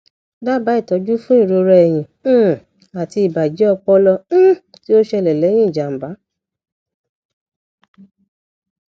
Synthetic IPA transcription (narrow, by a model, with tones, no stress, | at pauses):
ba˦ba˨˦i˦˨tɔ˨˦d͡ʒu˦fũ˦i˦˨ɾo˧ɾɛ˧ɛ˨j̃ĩ˨˦˨ | a˨ti˧i˨ba˨d͡ʒi˨˦ɔ˧k͡pɔ˧lɔ̃˧˦ | ti˦o˦ʃɛ˧lɛ˨lɛ˨˦j̃ĩ˦i˨d͡ʒa˨m̩˨ba˨˦